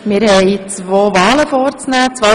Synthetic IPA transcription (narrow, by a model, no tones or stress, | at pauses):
mɪːɾhɛɪt͡sʋoːʋaːləfɔːɾt͡snæːt͡sʋɔ